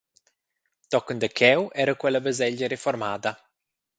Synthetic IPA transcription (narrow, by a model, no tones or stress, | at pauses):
t̪ɔknd̪əkʰɛwʔɛɾəkwɛlːabəzɛʎːəɾeformaːd̪a